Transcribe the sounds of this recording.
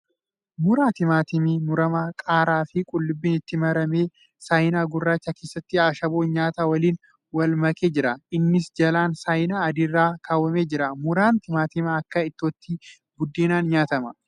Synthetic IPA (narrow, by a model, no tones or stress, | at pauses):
mʊɾaːt̪ɪmaːt̪ɪmimʊɾɐmakʼaːɾaːfɪkʼʊlːʊbːɪːnɪt̪ːɪmɐɾɐme̞ː | sɐjnaːɡʊrːaːt͡ʃːɐke̞ːsːɐt̪ːɪaːʃɐboːnɲaːt̪aːwɐliːn | wɐlmɐkʼeːd͡ʒɪɾɐʔɪnːɪsd͡ʒɐlaːnsɐjnaːɐd̪ɪrːaːkʰaːwɐmeːd͡ʒɪɾɐmʊɾaːnt̪ɪmaːt̪ɪmɐɐkːɐɪt̪ːoːt̪ːɪ | bʊd̪ːeːnaːnɲaːt̪ɐmɐ